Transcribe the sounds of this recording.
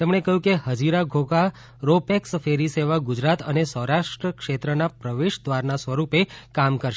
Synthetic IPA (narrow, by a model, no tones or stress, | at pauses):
t̪emɳ̃ekəɦũkeɦəd͡ʒiɾaɡʱoka | ɾopeksfʰeɾiseʋaɡʊd͡ʒɾat̪ənesəwɾaʃʈɾəkʃet̪ɾənapɾəʋeʃd̪ʋaɾnasʋəɾupekamkəɾʃ